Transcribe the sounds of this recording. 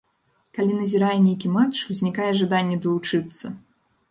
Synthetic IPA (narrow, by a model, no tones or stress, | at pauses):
kalʲinɐzʲiɾajɛnʲejkʲimat͡ʂwzʲnʲikajɛʐad̪anʲːɛd̪ɐlˠut͡ʂɨt̪sːɐ